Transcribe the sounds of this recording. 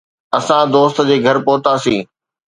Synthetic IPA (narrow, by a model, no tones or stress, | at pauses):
ɐsãd̪oːst̪d͡ʑeːɡʱɐɾpoɦt̪aːsĩː